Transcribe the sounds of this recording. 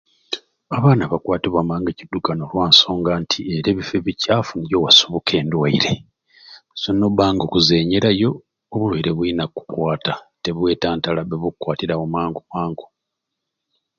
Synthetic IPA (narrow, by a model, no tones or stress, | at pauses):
aβaːnaβakwaːtiβamaːŋɡecidːukanolwaːnso̞ːŋɡaːntʰieɾeβifeβicaːfunijowasuβukʰe̞ːndwaiɾe̞ | sonːobaːŋɡokuze̞ːɲeɾajo̞ː | βulweiɾeβwinakːu̥kwaːtate̞βwe̞ːtaːntalaβeβukwaːtiɾamomaːŋɡomaːŋɡo̥